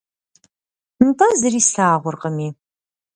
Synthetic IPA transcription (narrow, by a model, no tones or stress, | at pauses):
n̩tʰɐzɨɾiːsaːʁʷʊrqəmiː